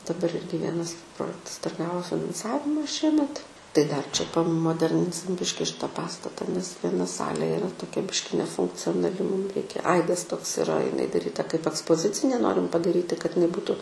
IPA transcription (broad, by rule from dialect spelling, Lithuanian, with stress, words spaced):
dɐˈbɐr ˈɪrʲɡʲɪ ˈʋʲiɛnɐs ˈproːjɛktɐs dɐr ˈɡɑːʋoː fʲɪnɐnˈsɑːʋʲɪmɐ ˈʃʲiɛmʲɛt tɐɪ dɐr t͡ʃʲɛ pɐmoːˈdʲɛrʲnʲɪnʲsʲɪm ˈbʲɪʃʲkʲɪ ˈʃʲɪtɐ ˈpɑːstɐtɐ nʲɛs ʋʲiɛˈnɐ ˈsɑːlʲeː ɪˈrɐ toːˈkʲɛ ˈbʲɪʃʲkʲɪ nʲɛfʊŋkt͡sʲoːnɐˈlʲɪ muːm ˈrʲɛɪkʲɛ ˈɐɪdɐs toːks ɪˈrɐ ɪˈnɐɪ dɐˈrʲiːtɐ kɐɪp ɐkspoːˈzʲɪt͡sʲɪnʲeː ˈnoːrʲɪm pɐdɐˈrʲiːtʲɪ kɐt ɪˈnɐɪ ˈbuːtʊ